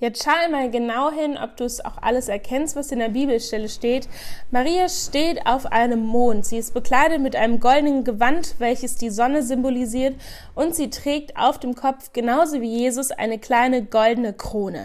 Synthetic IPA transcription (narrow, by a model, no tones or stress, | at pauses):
jaʃaʊɪmaːlɡənaʊɦɪnʔɔ̰p̚d̥uːsa̰ʊxʔa̰ləsɛɐkʰɛnstv̥asɪndeːɐbiːbl̩ʃtɛləʃteːtmaʁiːaʃteːta̰ʊfʔa̰ɪnəmːoːntz̥iːɪst̚b̥əkl̥aɪdətmɪtʔaɪnəmɡɔldənənɡəvantv̥ɛlçəsd̥iːzɔnəzʏmboliziːɐt | ʔʊntz̥iːtʁ̥ɛːk̚ta̰ʊfd̥eːmkʰɔpp͡fɡ̥ənaʊzoviːjeːzʊsʔa̰ɪnəkl̥aɪnəɡɔldənəkʁ̥oːnə̰